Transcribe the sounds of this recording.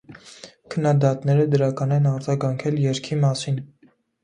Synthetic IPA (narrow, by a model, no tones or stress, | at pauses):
kʰənːɑd̪ɑt̪nɛɾəd̪əɾɑkɑnɛnɑɾd͡zɑɡɑŋkʰɛljɛɾkʰimɑsin